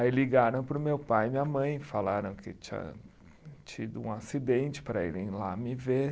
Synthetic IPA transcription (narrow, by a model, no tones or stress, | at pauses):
ailiɡaɾɐ̃w̃pɾʊmewpajmĩɐmɐ̃j̃falaɾɐ̃w̃kɪt͡ʃĩɐ̰ | t͡ʃid̪ʊũasid̪ẽnt͡ʃɪ̥pɾɐḭlḛ̃j̃lamɪve